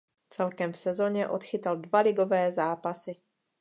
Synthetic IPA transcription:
t͡sɛlkɛmfsɛzo̞ɲɛʔo̞t̪xɪt̪aldvalɪɡovɛːzaːpasɪ

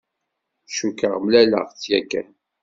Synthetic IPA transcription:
ʃukːəʁmlælə̰ʁt͡sːjækːæ̰

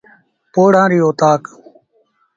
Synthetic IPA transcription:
poːɽãːɾiːoːt̪aːk

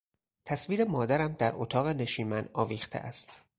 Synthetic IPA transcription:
t̪ʰæsviːɾe̞mɒːd̪æɾæmd̪æɾʔot̪ʰɒːɣene̞ʃiːmænɒːviːxt̪ʰḛʔæ̰st̪

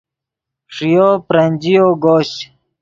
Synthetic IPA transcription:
ʂijoːpɾɐnʲd͡ʑijoːɡoːɕ

